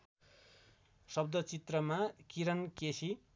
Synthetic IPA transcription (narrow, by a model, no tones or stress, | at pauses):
sʌbd̪ʱʌt͡sit̪rʌmakiɾʌnkesi